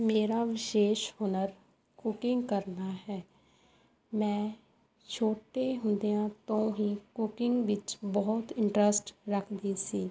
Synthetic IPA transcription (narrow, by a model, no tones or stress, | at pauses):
meːɾaːʋɪʃeːʃhʊnəɾ | kʊkɪŋɡkəɾnaːɦɛː | mɛ̃ː | t͡ʃʰoːʈeɦʊ̃nd̪ejãːt̪õːɦiːkʊkɪŋɡʋɪt͡ʃbɔɦt̪ɪ̃ɳʈɾəsʈɾəkʰd̪iːsiː